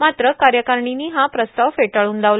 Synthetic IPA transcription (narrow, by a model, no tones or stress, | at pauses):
mat̪ɾəkaɾjəkaɾɳiniːɦapɾəst̪aʋfeʈəɭuːnd̪aʋl